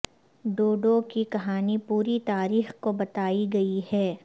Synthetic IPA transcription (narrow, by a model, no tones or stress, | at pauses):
ɖoːɖokikɐɦaːnipuːɾit̪aːɾiːxkobɐt̪aːiɡɐihɛː